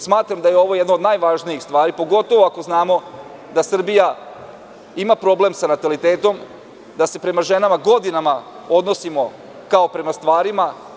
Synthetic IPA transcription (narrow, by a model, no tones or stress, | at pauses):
smaːt̪ɾamd̪ajeo̞ʋo̞jed̪noːd̪najʋaːʒniixst̪ʋaːɾipo̞ɡo̞t̪o̞ʋoako̞znaːmo̞ | d̪asr̩bija | imapɾo̞ble̞msanat̪alit̪eːt̪o̞m | d̪ase̞pɾe̞maʒe̞namaɡo̞d̪inama | o̞d̪no̞simo̞ | kao̞pɾe̞mast̪ʋaːɾima